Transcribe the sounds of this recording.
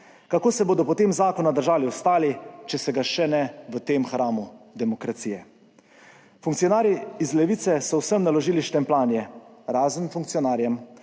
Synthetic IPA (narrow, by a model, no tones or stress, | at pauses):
kakoːsɛboːd̪ɔpɔt̪eːmzaːkɔnad̪əɾʒaːliɔst̪aːlit͡ʃɛsɛɡaʃɛnɛʋət̪eːmxɾaːmud̪ɛmɔkɾat̪ijɛ | fuŋkt̪sijɔnaːɾjiizlɛʋiːt̪sɛsɔwsəmnalɔʒiːliʃt̪ɛmplaːnjɛɾaːzənfuŋk̚tsijɔnaːɾjɛm